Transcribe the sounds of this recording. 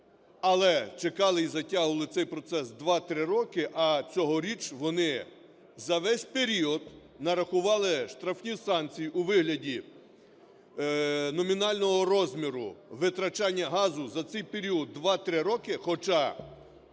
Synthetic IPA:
ɐlˠɛt͡ʃekɑlˠɪizɐtʲaɦʊʋɐlˠɪtsɛjpɾɔt̪sɛsd̪ʋɑt̪ɾɪɾɔkɪʔɐt͡sʲɔɦɔɾʲit͡ʃʋɔnɪ | zɐʋɛsʲpeɾʲiɔd̪ | nɐɾɐxʊʋɑlˠɪʃt̪ɾɐfnʲisɑnt͡sʲijuʋɪɦlʲɐdʲi | nɔmʲinɑlʲnɔɦɔɾɔzʲmʲiɾʊ̰ʋɪt̪ɾɐt͡ʃɑnʲːɐɦɑzʊzɐt̪sɛjpeɾʲiɔd̪ːʋɑt̪ɾɪɾɔkɪxɔt͡ʃɑ

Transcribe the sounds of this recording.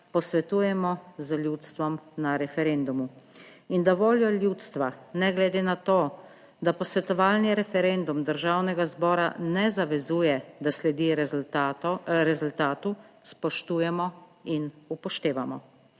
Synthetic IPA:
pɔsʋɛt̪uːjɛmɔzəlʲjuːt̪st̪ʋɔmnaɾɛfɛɾend̪umuind̪aʋoːljɔljuːt̪st̪ʋanɛɡlɛd̪eːnat̪oː | d̪apɔsʋɛt̪ɔʋaːlniɾɛfɛɾend̪umd̪əɾʒawnɛɡazbɔːɾa̰nɛzaʋɛzuːjɛd̪aslɛd̪i | ɾɛzult̪aːt̪uspɔʃt̪uːjɛmɔinupɔʃt̪eːʋamɔ̰

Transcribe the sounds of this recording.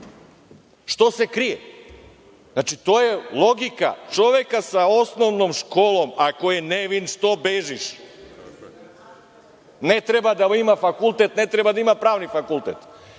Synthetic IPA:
ʃt̪osekɾije | znat͡ʃit̪ojelˠo̞ɡika̰t͡ʃoʋekasaosnoʋnomʃkoːlˠomakojeneʋinʃt̪obeʒiʃ | net̪ɾebad̪aimafakulˠt̪et̪net̪ɾebad̪aimapɾaːʋnifakulˠt̪et̪

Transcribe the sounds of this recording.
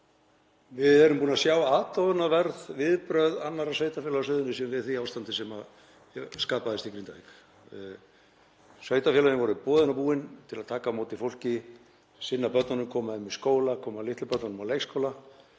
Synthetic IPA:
vɪðɛɾʏmpuːnasjawaːt̪ɔðʏnavɛɾðvɪðpɾœɥðanːaɾasvœːɥjt̪afɛːlaaʏðʏnʏsinvɪðθiawst̪ant̪ɪsɛma | skaːpaðɪst̪ikɾint̪aik | svœɥt̪afɛlaɾʏnvɔɾʏpɔːðʏnapuːɪnt̪ʰɪlaðt̪ʰaːkamowt̪ɪfowl̥cɪ | sɪnːapœt̪nanʏmkʰɔːmaɪmːiskoːwlakʰɔːmalɪht̪lʏpœt̪nanʏmawlejkskʰowla

